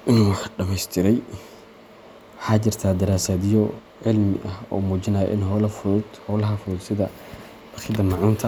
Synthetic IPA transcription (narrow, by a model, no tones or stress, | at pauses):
ʔɪnuːwɑħɖɐmɛjst̪ʰɪɾɛj | wɑħɑːt͡ʃɪrt̪ʰaːd̪ɐɾaːsaːðɪjɔ | ʕɪlmɪ̰ʔɐhɔ̰ːmuːt͡ʃɪnaːjɛ̰ʔɪnhɔlɐfʊd̪hɔlɐɦɐfʊðʊd̪sɪðɐ | bɐxɪd̪ɐmɑʕuːnt̪ʰɐ